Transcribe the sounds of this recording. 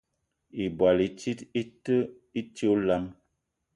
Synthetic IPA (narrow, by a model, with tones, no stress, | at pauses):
i˨bwa˨li˨t͡ʃi˦ti˦tə˦ | i˦tla˦m